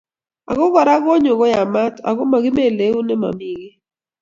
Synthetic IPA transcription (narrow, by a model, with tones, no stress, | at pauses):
a̰˨ɣɔ˦ɡɔ˨ɾa˦ɡɔ˦ɲʊ˨ɡɔ˦ja˨ma˦ta̰˨ɡɔ˦ma˨ɡɪ˦me˦˨le˨˦u˦nɛ˦ma̰˨mɪ˨ɡɪ˦